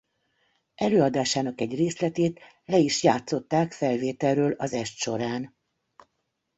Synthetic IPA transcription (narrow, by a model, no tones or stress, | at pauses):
ʔɛløːɒd̪aːʃaːnɒkɛɟreːslɛt̪eːt̪ | lɛiʃjaːt̪so̞t̪ːaːkfɛlveːt̪ɛlrøːlɒzɛʃt̪ʃo̞ɾaːn